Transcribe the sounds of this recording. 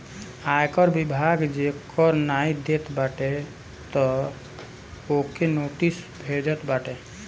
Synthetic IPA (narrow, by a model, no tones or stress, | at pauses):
ajkɔɾbibʱaɡd͡ʒekʰɔɾnaid̪et̪baʈe | t̪ɔ | okenoʈisbʱed͡ʒət̪baʈe